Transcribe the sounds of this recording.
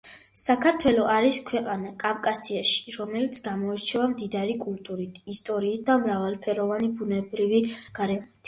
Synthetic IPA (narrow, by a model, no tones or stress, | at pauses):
sakʰaɾt̪ʰwɛlɔʔaɾiskʰwɛqʼanakʼafkʼasiaʃi̥ɾɔmɛlit̪sʰɡamɔɛɾt͡ʃʰɛvamd̪id̪aɾikʼult̪ʼuɾit̪ʰist̪ʼɔɾiːt̪̚d̪amɾavalˠpʰɛɾɔvanibunɛbɾiviɡ̥aɾɛmɔt̪ʰ